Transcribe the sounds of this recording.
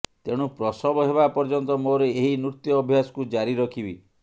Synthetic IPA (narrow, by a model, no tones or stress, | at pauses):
t̪eɽ̃upɾɔsɔbɔɦebapɔɾd͡ʒɔnt̪ɔmoɾeeɦinuɾt̪jɔːbʱjasɔ̥kud͡ʒaɾiɾɔkʰibḭ